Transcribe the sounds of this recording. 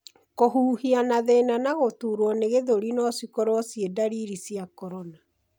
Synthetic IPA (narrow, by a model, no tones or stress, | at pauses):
koɦuːhianaðenanaɣotuːɾwɔneɣeðoɾinɔsikɔɾwɔsjedaɾiɾisijakɔɾɔna